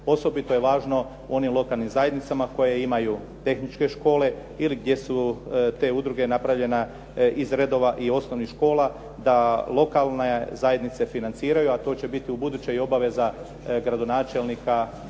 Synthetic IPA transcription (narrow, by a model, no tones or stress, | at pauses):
o̞so̞bit̪oje̞ʋaːʒno̞ | ṵo̞nimlˠo̞kalˠnimzajed̪nit̪samako̞jeimaju | t̪e̞xnit͡ʃke̞ʃko̞ːle̞iliɡ̚d̪je̞sut̪e̞ːud̪ɾuɡe̞napɾaʋʎe̞na | izɾed̪o̞ʋaʔio̞snoʋnixʃko̞ːlˠa | d̪alˠo̞kalˠnezaje̞d̪nit̪se̞finant̪siːɾajuat̪o̞ːt͡ɕe̞bit̪iubud̪ut͡ɕejo̞baʋe̞za | ɡɾad̪o̞naːt͡ʃe̞lnika